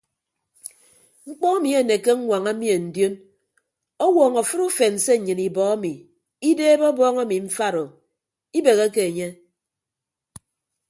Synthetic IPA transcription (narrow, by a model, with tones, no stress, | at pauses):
ŋ͡m̩˦k͡pɔ˦a˦mi˨˦e˨ne˨ke˦ŋ̩˦ŋʷa˨ŋa˦mi˦e˨n̩˨djo˦n | ɔ˦wɔː˨ŋɔ˨fɨ˦ɾu˦fe˨n̩˨se˦˨ɲɨ˨ni˨bɔ˨a˦mi˨ | i˦deː˦bɔ˦bɔː˦ŋa˦mi˨m̩˦fa˦ɾo˨ | i˦be˨ɣe˦ke˦e˨ɲe˦